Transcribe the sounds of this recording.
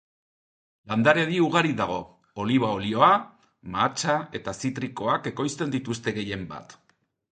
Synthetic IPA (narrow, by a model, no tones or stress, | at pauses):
land̪aɾe̞ðiuɣ̞aɾiðaɣ̞o̞ | oliβ̞ao̞lio̞a | mat͡ʃae̞t̪asit̪ɾiko̞ake̞ko̞jst̪e̞nd̪it̪ust̪e̞ɣe̞je̞mba̰t̪